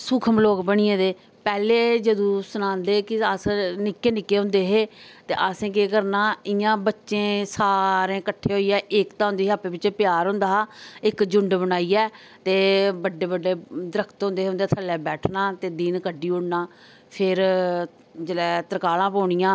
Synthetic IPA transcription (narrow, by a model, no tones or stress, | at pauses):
sʊkʰəmloːkbəɽ̃ɪjẽːd̪eː | pɛːleːd͡ʒəd̪õːsʊnãːnd̪eːkɪəsnɪkːeːnɪkːeːɦʊ̃nd̪eːɦeːt̪eːʔəsẽːk̬eːkəɾnaːɪjãːbətːʃẽːsaːɾẽːkəʈʰːeːɦoːiːɛːʔɪkt̪ãːɦʊ̃nd̪eːɦeəpeːʋɪt͡ʃepjaːɾɦʊ̃nd̪aːɦaːɪkd͡ʒʊɳɖbəɽ̃aːiːɛː | t̪eːbəɖːeːbəɖːeːd̪əɾəkʰt̪ɦʊ̃nd̪eːɦʊnd̪eɛːt̪ʰəlɛːbɛːʈʰnaːt̪eːd̪iːnkəɖiːʊɽnaː | pʰɪɾ | d͡ʒəlɛːt̪əɾkaːlãːpɔːɳɪjãː